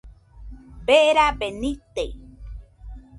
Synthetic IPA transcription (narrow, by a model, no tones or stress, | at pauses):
beɾabenit̪e